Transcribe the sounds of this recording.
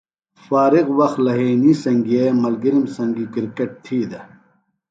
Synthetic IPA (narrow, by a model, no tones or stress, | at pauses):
faːɾiqwɐxt̪lɐɦeːnisɐŋɡiemɐlɡiɾimsɐŋɡikiɾkeʈ̚ʈ̪ʰiːd̪ɐ